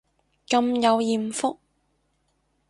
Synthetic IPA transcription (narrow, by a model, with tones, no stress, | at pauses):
kɐ˧mjɐ˨˧wjiː˨mfʊ˥k̚